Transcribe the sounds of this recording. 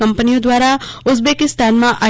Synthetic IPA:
ɐ̃mpənijõd̪waːɾaʊzbeːkɪst̪aːnmãʔaː

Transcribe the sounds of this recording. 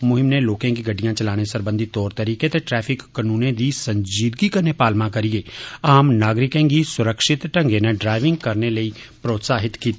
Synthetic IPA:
mʊɦɪmneloːkẽːɡiːɡəɖːijãːt͡ʃəlaːɽ̃esəɾbə̃nd̪ʱit̪ɔːɾt̪əɾiːket̪eʈɾɛːpʰɪkːənũːnẽːd̪iːsə̃ɲd͡ʒiːd̪ɡikəɾneːpaːlmãːkəɾijeːaːmnaːɡɾɪkẽːɡiːsʊɾəkʃɪt̪ʈəŋɡeːneɖɾaːɪʋɪ̃ŋɡkəɾneləiːpɾoːt̪saːɦɪt̪kiːt̪ː

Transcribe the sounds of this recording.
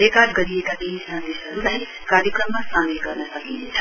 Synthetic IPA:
ekalɡʌɾiekat̪insʌnd̪esɦʌɾulaj | kaɾjekrʌmːasamelɡʌrnʌsʌkḭnt͡sʰʌ

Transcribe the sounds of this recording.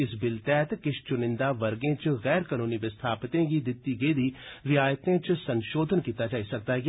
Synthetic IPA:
ɪsbɪlt̪ɛːt̪kɪʃt͡ʃʊnɪ̃nd̪aːʋəɾɡẽːt͡ʃɣɛːɾkaːnũːniʋɪst̪ʰaːpt̪ẽɡid̪ɪt̪ːiːɡeiːd̪iːɾɪjaːjt̪ẽːt͡ʃsənʃoːd̪ʱənkiːt̪aːd͡ʒaːisɐk̚d̪aɦɛɡ

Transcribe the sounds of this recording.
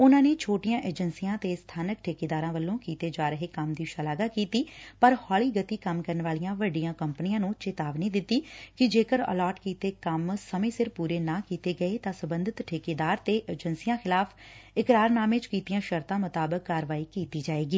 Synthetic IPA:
ʊnãːneːt͡ʃʰoːʈɪjãːʔeːd͡ʒənsijãːt̪eːst̪ʰaːnək̚ʈʰeːkeːd̪aːɾãːʋəlːõːkiːt̪eːd͡ʒaːɾəɦeːkəmd̪iːʃalaːɡaːkiːt̪iːpəɾhɔːliːɡət̪iːkəmkəɾənʋaːlijãːʋəɖijãːkəmpnɪjãːnũːt͡ʃeːt̪aːʋnĩːd̪ɪt̪ːiːkɪd͡ʒeːkəɾə̰lɔːʈkiːt̪eːkəmsəmẽːsɪɾpuːɾeːnãːkiːt̪eːɡəeːt̪ãːsəbənd̪ʱɪt̪ʈʰeːkeːd̪aːɾt̪eːʔeːd͡ʒənsijãːxɪlaːpʰɪkɾaːɾnaːmẽt͡ʃkiːt̪ijãːʃəɾt̪ãːmʊt̪aːbəkːaːɾʋaːiːkiːt̪iːd͡ʒaːeːɡiː

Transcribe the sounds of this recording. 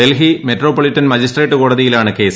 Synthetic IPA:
elɦimetro̞ːpːɐɭitːɐnmɐd͡ʑisʈreːʈːɨko̞ːɽɐðijilaːɳɨke̞ːs

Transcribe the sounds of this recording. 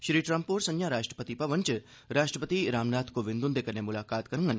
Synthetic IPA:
ʃɾiːʈɾɐ̃mpoːɾsɐ̃njaːɾaːʃʈɾə̥pət̪ipɐʋənt͡ʃɨ | ɾaːʃʈɾəpət̪iɾaːmnaːt̪ʰkoʋɪnd̪und̪ekɐɾnemʊlaːkaːt̪kɐɾɐŋɡɐn

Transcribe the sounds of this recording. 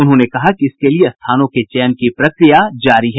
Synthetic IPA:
ʊnɦõnekɐɦakiɪskelieɐst̪ʰaːnõket͡ʃɛːnkipɾɐkɾijad͡ʒaːɾiɦɛ

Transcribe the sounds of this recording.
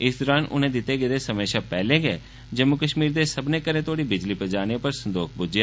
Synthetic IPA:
ɪsd̪ɔːɾaːnʔʊ̰nẽːd̪ɪt̪ːeːɡɪd̪eːsəmeːʃaːpɛːlẽːɡḛː | d͡ʒəmːʊkəʃmiːɾd̪eːsəbnẽːkəɾẽːt̪oːɽiːbɪd͡ʒliːpəd͡ʒaːneːpəɾsənd̪oːkʰbʊd͡ʒjaː

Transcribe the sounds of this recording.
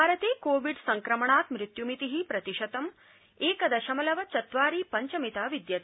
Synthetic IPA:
bʱaːɾɐt̪eːkoːʋiɖsɐŋkɾɐmɐɳaːt̪mɾɪt̪jumit̪iɦipɾɐt̪iʃɐt̪ɐm | eːkɐd̪ɐʃɐmɐlɐʋɐt͡ʃɐt̪ʋaːɾiːpɐɲt͡ʃɐmit̪aːʋid̪jɐt̪i

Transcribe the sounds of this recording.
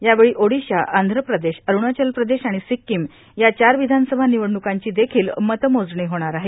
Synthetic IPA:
jaʋeɭiːʔoɽiɕaʔand̪ʱɾəpɾəd̪eɕəɾuɳ̃at͡ɕəlpɾəd̪eɕaɽ̃isikːim | jat͡ɕaɾʋid̪ʱansəbʱaniʋəɽɳukaɲt͡ɕiːd̪ekʰiːlmət̪əmod͡zɳiɦoɽ̃aɾaɦe

